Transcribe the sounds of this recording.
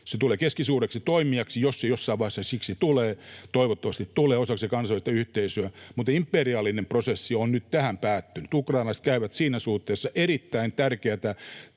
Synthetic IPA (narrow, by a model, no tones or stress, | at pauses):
set̪uleːkeskisuːreksit̪oimiɑksijosːejosːɑiʋɑihesɑsiksit̪uleːt̪oiʋot̪ːɑʋɑst̪it̪t̪uleːosɑksekɑnsɑʋist̪ɑyht̪eisyæmut̪impːeriɑːlːˑinemprosesːionnyt̪t̪æhæmpæːt̪ːynyt̪ukrɑˑinlɑst̪̚kæiʋæt̪siːnæsuht̪ːeːsːɑʔeɾit̪ːæint̪ærkeæt̪æ